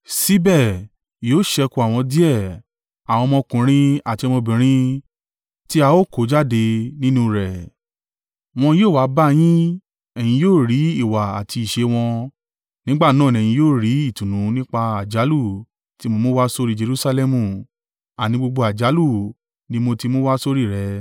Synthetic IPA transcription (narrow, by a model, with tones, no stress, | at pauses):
si˦bɛ˦˨ | joː˦˨ʃɛ˧ku˧˦a˨w̃ɔ̃˧di˦ɛ˦˨ | a˨w̃ɔ̃˧mɔ̃˧kũ˨˦ɾ̃ĩ˦a˨ti˧mõ˧bĩ˨ɾ̃ĩ˦ | ti˦a˧o˦˨ko˨˦d͡ʒa˦de˧nĩ˦nũ˦ɾɛ˨ | w̃ɔ̃˧joː˦˨wa˨˦ba˦j̃ĩ˦ | ɛ˨j̃ĩ˧joː˦˨ɾi˨˦i˦˨wa˨a̰˨ti˧i˨ʃe˧w̃ɔ̃˧ | nĩ˦ɡ͡ba˦˨nãː˦˨ɛ̃˨ĩ˧joː˦˨ɾi˨˦i˦˨tũ˨nũ˨˦nĩ˦k͡pa˧a˨d͡ʒa˨˦lu˦˨ | ti˧˦mo˧mũ˦wa˦so˦ɾi˦d͡ʒe˧ɾu˦sa˧lɛ˧mũ˦˨ | a˨nĩ˧ɡ͡bo˧ɡ͡bo˧a˨d͡ʒa˨˦lu˦˨ | nĩ˦mo˧ti˧mõ˦wa˦so˦ɾi˦˨ɾɛ˨˧